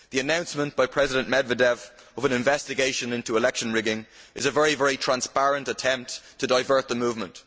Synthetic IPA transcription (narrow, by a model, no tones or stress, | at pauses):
ðiənãʊ̃nsmə̃nb̥aɪpʰɹ̥ɛzɪdə̃nmɛdvədɛv | əvə̃nɪ̃ɱvɛstɪɡeɪʃə̃nɪ̃ntuɪlɛkʃə̃nɹɪɡɪ̃ŋʔɪ̰zəvɛɹivɛɹitʰɹ̥ãnspaɹə̃ntətʰɛ̃mp̚tʰːədaɪvɜ˞t̪̚ðəmuːvmə̃nt